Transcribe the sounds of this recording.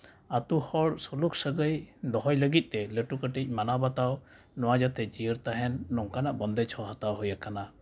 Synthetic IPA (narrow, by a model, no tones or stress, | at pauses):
at̪uhɔɽsɔluksəɡəjd̪ɔɦɔjləɡit̪̚ˀt̪ɛləʈukəʈic̚ˀmanabat̪aw | nɔwad͡ʒat̪ʰɛd͡ʒiəɾt̪aɦɛnːɔŋkanaʔbɔnd̪ɛt͡ʃʰɔɦat̪awɦɔjakana